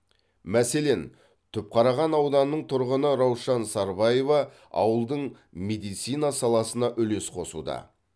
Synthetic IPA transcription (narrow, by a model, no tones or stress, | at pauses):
mæse̞le̞n | t̪ʰʏp̚qʰɑɾɑʁɑnɑwd̪ɑnːəɴt̪ʰʊɾʁənəɾɑwʃɑnsɑɾbɑje̞vɑ | ɑ̰wəlˠd̪əɴ | me̞d̪ijt̪sɨjnɑsɑlˠɑsənɑʔʏle̞sqʰo̞sṵd̪ɑ̰